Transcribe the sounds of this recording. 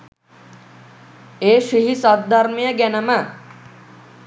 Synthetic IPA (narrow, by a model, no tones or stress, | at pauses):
eːʂiɦisat̪̚ːaɾmijəɡænəmə